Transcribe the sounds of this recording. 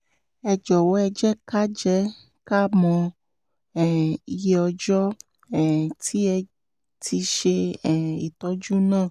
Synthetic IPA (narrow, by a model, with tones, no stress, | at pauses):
ɛ˧d͡ʒɔ˨wo˨˦ɛ˧d͡ʒɛ˦ka˦d͡ʒɛ˦ | ka˦mɔ̃˧ | ɛ˦˨i˧je˧˦ɔ˧d͡ʒɔ˦ | ɛ˦˨tʰi˨˦ɛ˧ | tʰi˧ʃe˧˨i˨tɔ˨˦d͡ʒu˦nãː˦˨